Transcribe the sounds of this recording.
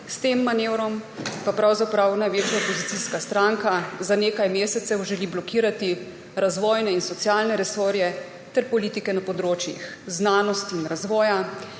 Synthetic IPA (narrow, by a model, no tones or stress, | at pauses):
st̪eːmːaneːwɾɔmpapɾawzapɾawnajʋeːt͡ʃjaopɔzit̪iskast̪ɾaŋkazaneːkajmeːsɛt̪sɛwʒɛliblɔkiːɾat̪i | ɾazʋɔːjnɛinsɔt̪sjaːlnɛɾɛsoːɾjɛ | t̪ɛɾpɔliːt̪ikɛnapɔd̪ɾoːt͡ʃjḭxznaːnɔst̪iːnɾazʋɔːja